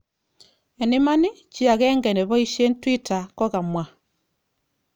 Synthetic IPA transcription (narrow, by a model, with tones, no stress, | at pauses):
e˨ne˦ma˦ni˦ | t͡ʃi˦a˨ɣɛ˦ŋɡɛ˨nɛ˨βɔ˦i˦ʃe˦ntwi˦ta˨kɔ˦ɣa˨mwa˨